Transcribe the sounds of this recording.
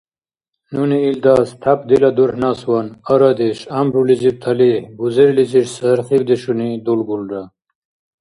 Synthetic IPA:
nuniild̪aːst̪ʰɐpd̪ilad̪uɾhnaːswanɐɾad̪eʂɐmbɾulizib̚t̪ʰɐlihbuzeɾliziʂsɐɾχiwd̪eʂunid̪ulɡulɖa

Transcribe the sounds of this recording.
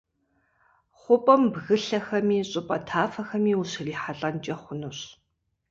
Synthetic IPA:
χʷʊpʼɐmbɣɨɬɐxɐmiːɕʼʊpʼɐtʰaːfɐxɐmiːuɕriːħaɬʼɐnt͡ʃʼɐχʷʊnɨɕ

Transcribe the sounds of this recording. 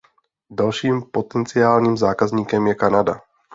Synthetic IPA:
dalʃiːmpot̪ɛnt͡sɪaːlɲiːmzaːkazɲiːkɛmjɛkanada

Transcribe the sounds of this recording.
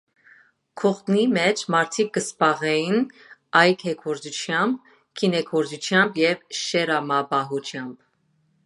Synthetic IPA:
kʰɔχt̪nimɛt͡ʃʰmɑɾt̪ʰik̚ɡəspɑʁɛjinɑjkʰɛkʰɔɾd͡zut͡ʃʰjɑmb | kʰinɛkʰɔɾd͡ʒut͡ʃʰjɑmbjɛvʃɛɾɑmɑbɑɦut͡ʃʰjɑmb̥

